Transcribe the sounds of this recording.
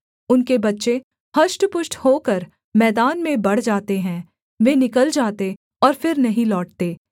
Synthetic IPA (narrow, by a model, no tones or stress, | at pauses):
ʊnkebɐtːʃe | hɐʃʈpʊʃʈhoːkəɾ | mɛːd̪aːnmẽbɐɽ̤d͡ʒaːt̪eɦɛ̃ː | ʋenɪkəld͡ʒaːt̪e | ɔːɾfɪɾnɐɦĩlɔːʈ̚t̪eː